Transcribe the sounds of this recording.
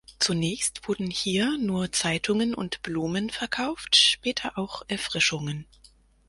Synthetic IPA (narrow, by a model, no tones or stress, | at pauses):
t͡sunɛːçstv̥ʊɐdn̩hiːɐnuːɐt͡saɪtʰʊŋənʔʊ̰ntb̥luːmənfɛɐkʰaʊftʃpɛːtʰɐʔaʊxʔɛɐfʁ̥ɪʃʊŋən